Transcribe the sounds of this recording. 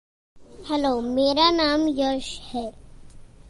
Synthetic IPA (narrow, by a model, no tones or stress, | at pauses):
hɛloːmeːɾanaːmjəʃhɛː